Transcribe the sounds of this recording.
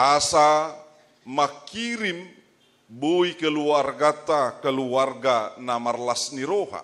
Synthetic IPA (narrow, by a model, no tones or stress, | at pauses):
ʔasa | makiɾim | boikəluarɡat̪akəluarɡanamarlasniɾoɦa̰